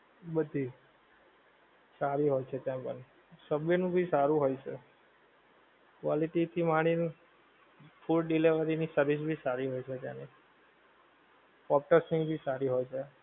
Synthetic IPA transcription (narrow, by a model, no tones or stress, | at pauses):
bəd̪ʱi | saɾiɦojt͡ʃʰet̪jãpə̰ɳ | səbjənũbʱisaɾũɦojt͡ʃʰe | kʋaliʈit̪ʰimaɽ̃in | fʰulɖileʋəɾinisəɾʋis̬bʱisaɾiɦojt͡ʃʰet̪jã̰ni | pɔp̚ʈəsĩŋɡbʱisaɾiɦojt͡ʃʰe